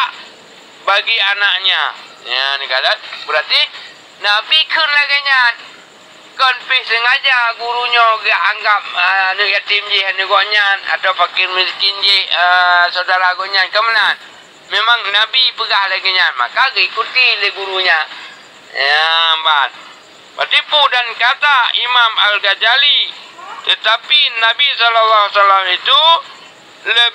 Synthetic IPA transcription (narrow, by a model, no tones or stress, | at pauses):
aʔ | baɡianaʔɲa̰ | janikadanbəɾat̪i | nabikʰənlaɡaɲan | kɔnpɪhsəŋad͡ʒaɡuɾuɲɔɡaʔaŋɡap̚ənuʔjat̪imd͡ʒihɦanəɡɔʔɲana̰t̪awfakɪrmiskɪnd͡ʒihəsaudaɾaɡɔʔɲankəmənan | memaŋnabipəɡahlaɡəɲanma̰kaɡəikut̪iləhɡuɾuɲa | bat̪̚ | pat̪ipudankat̪aḭmamalɡad͡ʒalit̪ət̪apinabisɔlalːaasalamit̪u | lə